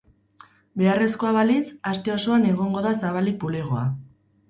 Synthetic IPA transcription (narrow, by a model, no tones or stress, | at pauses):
be̞are̞sko̞aβalisast̪e̞o̞so̞ane̞ɣ̞o̞ŋɡo̞ðasaβ̞alik̚puleɣoa̰